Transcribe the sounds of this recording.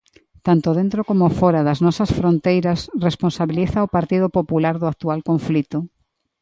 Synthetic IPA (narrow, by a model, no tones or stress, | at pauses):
t̪ant̪ʊðẽnt̪ɾokomofɔɾɐðɐznɔsɐsfɾont̪ejɾɐsresponsaβiliθɐopaɾt̪iðʊpopulaɾðʊak̚t̪ualkõɱflit̪ʊ